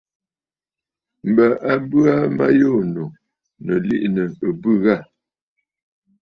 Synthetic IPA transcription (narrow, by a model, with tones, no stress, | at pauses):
m̩˨bə˨ʔa˦bʉ˦a˦ma̰˦jo˦˨no˨ | nə˨lḭ˦ʔnə˨ə˨bʉ˦˨ɣa˦˨